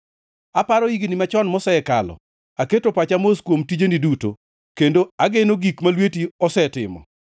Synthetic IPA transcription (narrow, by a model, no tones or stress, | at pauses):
apaɾɔiɡinimat͡ʃɔnmɔsɛɛka̰lɔ̰ | aketopat͡ʃamoskwomtid͡ʒeniduto̰ | kendoaɡenoɡikmalwetiɔsɛtɪ̰mɔ̰